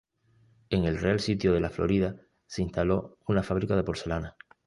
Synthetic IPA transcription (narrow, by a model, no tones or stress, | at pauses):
e̞ŋe̞lrealsit̪joð̞e̞laflo̞̰ɾiða | se̞int̪alo̞ | unafaβ̞ɾikað̞e̞po̞ɾθe̞lana